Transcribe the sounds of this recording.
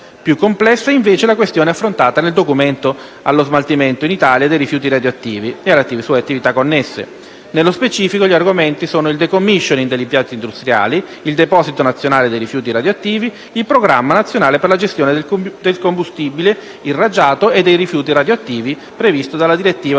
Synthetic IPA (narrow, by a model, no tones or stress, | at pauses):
pjukːomplɛsːaiɱveːt͡ʃelakwest̪joːneafːɾont̪aːt̪aneld̪okument̪o | alːozmalt̪iment̪oinit̪aljad̪ejɾifjuːt̪̬iɾad̪joat̪ːiːviealːat̪ːiːvesuːeat̪ːivit̪akːonːesːḛ | nelːospet͡ʃiːfikoʎiarɡoment̪isoːnoild̪ekomːiʃːonind̪elːimpjant̪ind̪ust̪ɾja̰ːli | ild̪epɔːzit̪onat̪sːjonaːled̪ejrifjuːt̪̬iɾad̪joat̪ːiːviːlpɾoɡɾamːanat̪sːjonaːleperlad͡ʒest̪joːned̪elkombust̪iːbile | inrad͡ʒaːt̪oed̪ːejrifjuːt̪iɾad̪joat̪ːiːvi | pɾevist̪od̪alːad̪iɾet̪ːiːva